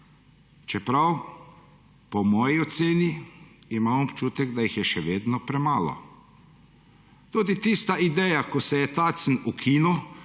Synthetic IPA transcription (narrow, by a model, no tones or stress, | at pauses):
t͡ʃɛpɾaw | pɔmɔːjiɔt̪seːniimaːmɔpt͡ʃuːt̪ɛɡd̪ajixjɛʃɛʋeːd̪nɔpɾɛmaːlɔ̰ | t̪ud̪it̪ist̪aʔid̪ɛːjakɔsɛjɛt̪aːt̪snukʰiːnu